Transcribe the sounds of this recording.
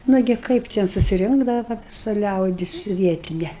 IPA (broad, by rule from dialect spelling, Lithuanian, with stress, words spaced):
ˈnʊɡʲɪ ˈkɐɪp tʲɛn sʊsʲɪˈrʲɪŋɡdɐʋɐ ʋɐ ʋʲɪˈsɐ ˈlʲɛʊdʲɪs ˈʋʲiɛtʲɪnʲɛ